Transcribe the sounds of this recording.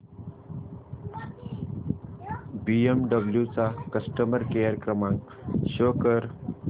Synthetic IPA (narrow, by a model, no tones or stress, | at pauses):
biemɖəbljut͡sakəsʈəməɾkejəɾəkɾəmãŋɡ | ʃoːkəɾ